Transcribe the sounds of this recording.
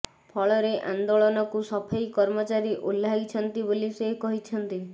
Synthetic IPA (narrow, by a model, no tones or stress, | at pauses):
pʰɔɭɔɾeʔand̪oɭɔnɔkusɔpʰajkɔɾmɔt͡ʃaɾiʔolːaɡit͡ʃʰɔnt̪ibolisekɔɦit͡ʃʰɔnt̪i